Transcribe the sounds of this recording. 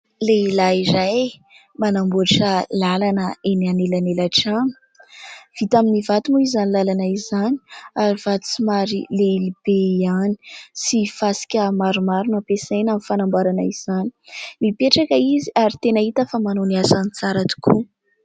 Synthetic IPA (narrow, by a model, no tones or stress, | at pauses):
leilaiɾaj | manambuɾiʈ͡ʂəlalanəenianelanelaʈ͡ʂani̥ | v̥it̪aminivat̪umuizanilalanaizani̥aɾiv̥at̪u̥t͡simaɾilelib̥eiani̥sifasi̥kʲəmaɾumaɾunapesejnamifanambaɾana̰iz̥ani̥mipeʈ͡ʂakaiziaɾit̪enəit̪afəmanoniasanit͡saɾat̪u̥kʰu